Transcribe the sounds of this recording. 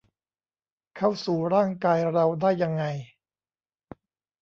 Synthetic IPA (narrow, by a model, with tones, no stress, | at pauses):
kʰa˥˩wsuː˨˩ɾaː˥˩ŋkaː˧jɾa˧wdaː˥˩jːa˧ŋːa˧j